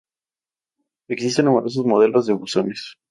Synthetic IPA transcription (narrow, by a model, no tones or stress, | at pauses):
eksis̬t̪enːumeɾo̞s̬ozmo̞ðe̞lo̞zðeβuso̞nes